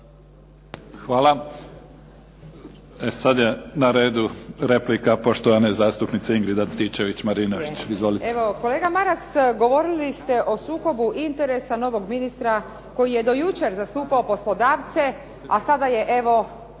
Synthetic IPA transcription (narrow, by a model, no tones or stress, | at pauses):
xʋaːlˠa | esad̪jenaɾeːd̪uɾeplikapoʃt̪oanezaːst̪upnit̪seiŋɡɾid̪ant̪it͡ʃeʋit͡ɕmaɾinoʋit͡ʃizʋolieʋo̞ko̞le̞ːɡamaɾasɡo̞ʋo̞ɾilist̪e̞ʔo̞suːko̞buʔint̪eɾesano̞ʋo̞ɡminist̪ɾa | ko̞jije̞d̪o̞jut͡ʃe̞ɾzast̪uːpaopo̞slˠo̞d̪aːʋt̪se̞ | asad̪aje̞ʔe̞ʋo̞